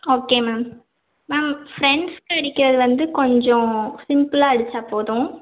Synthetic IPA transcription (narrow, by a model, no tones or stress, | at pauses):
oːkeːmaːm | maːmfɾɛɳɖskɐɽɪkːɪɾɐðɯʋɐnd̪ɯkɔɲd͡ʒɔ̃sɪmpɯlaːɐɽɯt͡ʃːaːpoːðʊ̃